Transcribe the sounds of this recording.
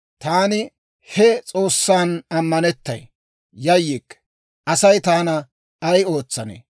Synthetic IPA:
t̪aːnɪ | hɛt͡sʼo̞ːsːaːnɐmːɐnɛt̪ːɐ̰j | jɐjːikː | ʔɐsɐjt̪aːnɐ | ɐjo̞ːt͡sːɐnḛː

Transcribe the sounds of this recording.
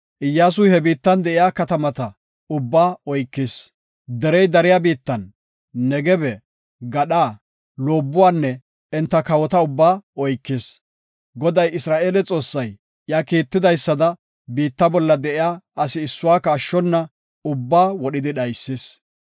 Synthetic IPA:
ʔɪjːaːs̬ʊjhɛbiːt̪ːɐnd̪ɛʔɪjaːkɐt̪ɐmɐt̪ɐ | ʊbːaːɔjkːɪs | d̪ɛɾɛjd̪ɐɾɪjaːbiːt̪ːɐnː | ɛɡɛbɛ | ɡɐɗaː | lo̞ːbːʊwaːnːɛ | ɪnt̪ːɐkɐwɔt̪ɐʊbːaːɔjkːɪs | ɡɔd̪ɐjɪsɾaːʔe̞ːlɛt͡sʼo̞ːsːɐj | jaːkiːt̪ːɪd̪ɐjsːɐd̪ɐ | biːt̪ːɐbɔlːɐd̪ɛʔɪjaːɐsɪːsːʊwaːkɐːʃːɔnːɐ | ʊbːaːwɔɗɪd̪ɪɗɐjsːɪs

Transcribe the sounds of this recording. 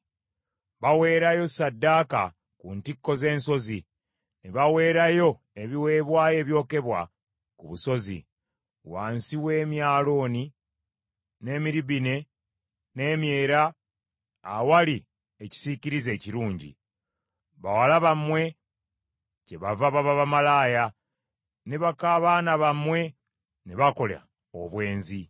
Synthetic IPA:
βawe̞ːɾajo̞sadːaːka̰ | kuntikːo̞ze̞ːnso̞zi | neβawe̞ːɾajo̞ | eβiwe̞ːβwaːje̞ːβjo̞ːke̞βwa̰ | kuβuso̞zḭ | waːnsiwe̞ːmjaːlo̞ːni | ne̞ːmiɾiβine̞ | ne̞ːmje̞ːɾa | a̰wali | eci̥siciɾize̞ːciɾuːɲɟḭ | βawalaβamwe̞ | ce̞βavaβaβaβamalaːja | neβakaβaːnaβamwe̞ | neβako̞lea̰ | o̰βwe̞ːnzi

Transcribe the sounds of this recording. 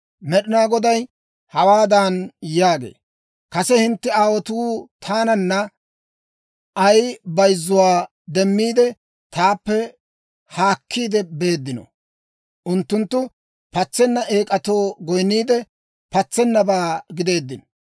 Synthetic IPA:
mɛɗɪnaːɡɔd̪ɐj | hɐwaːd̪aːnjaːɡḛː | kɐsɛhɪnt̪ːɛaːwɔt̪uːt̪ʰaːnɐnːɐ | ʔɐjbɐjzːʊwaː | d̪ɛmːiːd̪ɛ | t̪aːpːɛ | haːkʰːiːd̪ɛbe̞ːd̪ːɪnɔ̰ | ʔʊnt̪ːʊnt̪ːʊ | pɐt͡sːɛnːɐʔeːkʼɐt̪o̞ːɡɔjnːiːd̪ɛ | pɐt͡sːɛnːɐbaːɡɪd̪e̞ːd̪ːɪn

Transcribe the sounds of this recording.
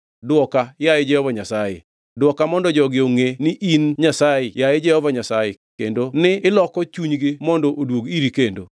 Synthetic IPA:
dwɔkajajɪd͡ʒɛhɔvaɲasajḛ | dwɔkamɔndɔd͡ʒɔɡɪoŋenɪʔinɲasajejajɪd͡ʒɛhɔvaɲasajekendonɪɪlɔkɔt͡ʃuɲɡɪmɔndɔʔodwoɡiɾikendo̰

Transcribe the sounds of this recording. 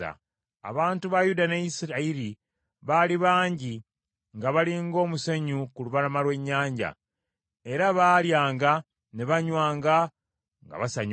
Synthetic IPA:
a̰ | a̰βaːntuβajudaneisiɾaiɾi | βaliβaːɲɟi | ŋɡaβaliŋɡo̞ːmuseɲukuluβalamalwe̞ɲːaːɲɟa̰ | e̞ɾaβaːljaːŋɡa | ne̞βaɲwaːŋɡa | ŋɡa̰βasaɲ

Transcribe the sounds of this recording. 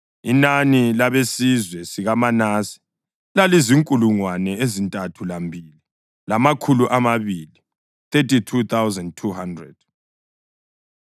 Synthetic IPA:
inanilaβesizwɛsiɣamanasi̥ | laliziŋkʼuluŋwanɛezintʼatʰulambʱiːli | lamakʰuluʔamaβili | θetitʰut̪ʰawzandtʰuhandrɛ̰d̥̚

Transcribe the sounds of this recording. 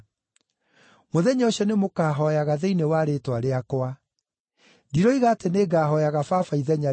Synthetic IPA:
moðɛɲɔɕɛnemokaːɦɔjaɣaðeinewaːɾeːtwaɾeakwa | diɾɔiɣaːteneːɡaːɦɔjaɣafafaiðɛɲa

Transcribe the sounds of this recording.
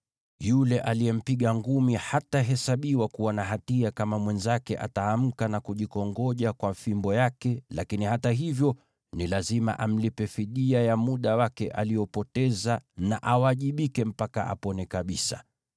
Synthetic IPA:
julɛʔalijɛm̩piɠaŋɡumihataɦɛsaɓiwakuwanaɦatiakamamwɛnzakɛ̰ʔa̰taːm̩kanakuʄikɔŋɡɔʄakwafimbɔjakɛlakinihataɦivjɔ | nilazima̰ʔam̩lipɛfiɗiajamuɗawakɛʔa̰lijɔpɔtɛzana̰ʔawaʄiɓikɛm̩paka̰ʔa̰pɔnɛkaɓisa̰

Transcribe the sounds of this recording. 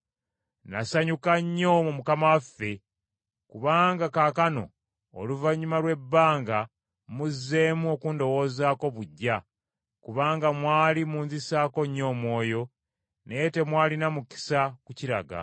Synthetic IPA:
nasaɲukaɲːo̞mumukamawafːe̞ | kuβaːŋɡakakano̞̰ | o̰luvaɲumalwe̞bːaːŋɡa | muzːe̞ːmuo̞kuːndo̞wo̞ːzaːko̞βuɟːa | kuβaːŋɡamwaːlimuːnzisaːko̞ɲːo̞ːmwo̞ːjo̞ | nejte̞mwaːlinamuki̥sakuciɾa̰ɡa̰

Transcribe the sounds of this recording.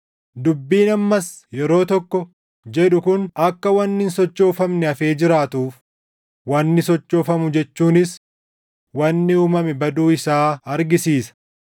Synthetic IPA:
d̪ʊbːiːnɐmːɐs | jɛɾo̞ːt̪ɔkːɔ | d͡ʒɛᶑʊkʊnɐkːɐwɐnːɪnsɔt͡ʃːo̞ːfɐmnɛɐfe̞ːd͡ʒɪɾaːt̪uːf | wɐnːɪsɔt͡ʃːoːfɐmʊd͡ʒɛt͡ʃːuːnɪs | wɐnːɪuːmɐmɛbɐd̪uːɪsaːɐɾɡɪsiːsɐ̥

